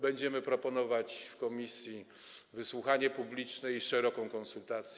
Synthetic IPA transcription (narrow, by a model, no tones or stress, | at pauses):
bɛɲd͡ʑɛmɘpɾɔpɔnɔvat͡ɕfkɔmʲisʲji | vɘswuxaɲɛpublʲit͡ʂnɛiʂɛɾɔkɔ̃w̃kɔnsult̪at̪sʲj